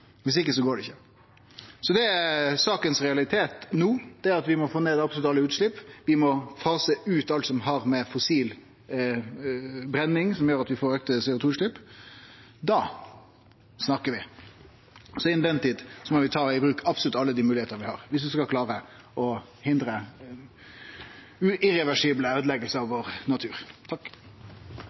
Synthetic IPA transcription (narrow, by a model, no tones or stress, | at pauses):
ʋɪs̬ɪkːəsɔɡoːɖɛɪçːə | sɔd̪ɛæsɑːkənsʁɛɑlɪt̪ʰeːt̪nuːd̪̥ɛæɾɑt̪ʋɪmɔfoːneːd̪ɑpslʉt̪ːɑlːəʉːt̪ʂɭɪpːʋɪmɔfɑːsəʉːt̪ɑlt̪sɔmɦɑʁmɛfɔsiːl | bɾɛnːɪŋsɔmjøːɾɑt̪ʋɪfoːɾøːkt̪əsɛːʊt̪uːʉt̪ʂɭɪpː | d̪ɑ | snɑkːəʋɪ | sɔɪnd̪ɛnt̪iːd̪sɔmɔʋɪt̪ʰɑːɪbɾʉːkɑpsɔlʉt̪ɑlːəd̪iːmʉːlɪeːt̪əʋɪhɑ̰ʁʋɪsd̪ʉskɑlkʰlɑːɾə | ɔ | hɪnd̪ɾə | ʉɪɾɛʋæʂiːbləøːd̪lɛɡəlsəɑʋʋoːʁnɑt̪ʰʉːɾt̪ʰɑkː